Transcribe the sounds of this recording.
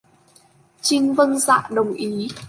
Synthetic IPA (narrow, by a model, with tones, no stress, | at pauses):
t͡ɕï˧ŋvə˧nza̰ː˧˨ɗə˨˩wŋ͡mʔi˨˦